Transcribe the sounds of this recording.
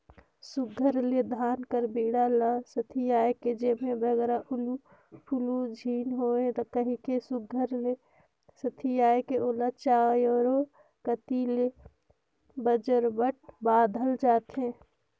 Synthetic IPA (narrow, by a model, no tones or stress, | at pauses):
sʊɡʱəɾled̪ʱaːnkəɾbiːɽalasət̪ʰijaːjked͡ʒeːmẽbəɡɛɾaʔʊlu | pʰʊlud͡ʒʱiːnɦoːẽt̪ɔkəɦikesʊɡʱəɾle | sət̪ʰijaːekeʔoːlat͡ʃaːjɔːɾo | kət̪ile | bəd͡ʒəɾbəʈ̚ʰbaːd̪ʱəld͡ʒaːt̪ɦẽ